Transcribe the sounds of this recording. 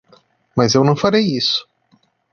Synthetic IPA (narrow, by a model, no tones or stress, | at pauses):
mɐzewnɐ̃w̃faɾejisʊ̥